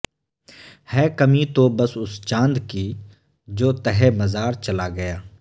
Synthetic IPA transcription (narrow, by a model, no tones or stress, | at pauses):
hɛːkəmit̪oːbəsʊst͡ʃãːnd̪kiː | d͡ʒoːt̪ɛɦemɐzaːɾt͡ʃɐlaɡɐjaː